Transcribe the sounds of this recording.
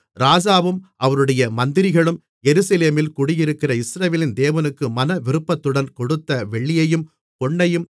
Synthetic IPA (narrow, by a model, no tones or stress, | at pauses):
ɾaːd͡ʒaːʋɯmʔɐʋɐɾɯɽɐjɐmɐnd̪ɪɾɪɣɐɭɯm | jɛɾɯsɐleːmɪlkʊɽɪjɪɾɯkːɪrɐɪsɾɐʋeːlɪnd̪eːʋɐnɯkːɯmɐnɐʋɪɾɯpːɐt̪ːɯɽɐnkɔɽɯt̪ːɐʋɛɭːɪjɐjɯm | kɔɳːɐjɯm